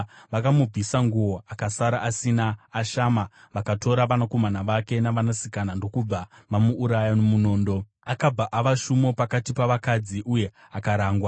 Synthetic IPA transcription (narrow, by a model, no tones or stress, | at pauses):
ʋakamub͡vʱisaŋɡuwo̞ʔakasaɾaʔasinaːʃama | ʋakato̞ɾaʋanako̞manaʋake̞naʋanasikanando̞kub͡vaʋamuʔːɾajanomuno̞ːndo̞ | akab͡vaʔaʋaʃumo̞pakatipaʋakad͡ziʔuje̞ | akaɾaːŋɡwa